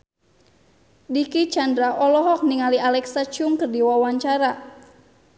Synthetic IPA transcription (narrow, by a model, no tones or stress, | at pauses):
dikit͡ʃandɾaʔɔlɔɦɔk̚niŋaliʔalɛksat͡ʃuŋkərdiwawaɲt͡ʃaɾa